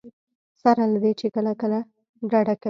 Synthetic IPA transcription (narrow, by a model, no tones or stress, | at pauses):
saɾalad̪et͡ʃekəlakəla | ɖaɽaka